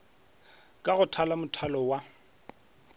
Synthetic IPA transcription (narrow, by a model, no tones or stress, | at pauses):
kʼaɣʊtʰalamʊtʰalɔwa